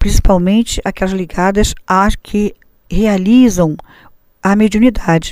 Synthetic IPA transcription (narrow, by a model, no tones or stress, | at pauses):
pɾĩsi̥pawmẽnt͡ʃɪʔakɛlɐzliɡad̪ɐsakʰɪ | healizɐ̃w̃ | ɐmed͡ʒiũnid̪ad͡ʒɪ̥